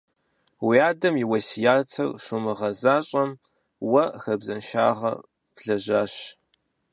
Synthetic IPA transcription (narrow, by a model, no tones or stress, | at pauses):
wiaːdɐmjiwɐsjaːtʰɐ̰rɕʷʊmɨʁɐzaːɕʼɐm | wɐxɐbzɐnʃa̰ːʁɐ̰ | pɮɐʑaːɕ